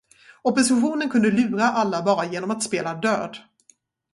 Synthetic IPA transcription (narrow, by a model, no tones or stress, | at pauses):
ɔpɔsɪɧuːnənkʰɵnd̪əlʉ̟ːɾaʔalːabɑːɾajeːnɔmat̪speːlad̪øːd̪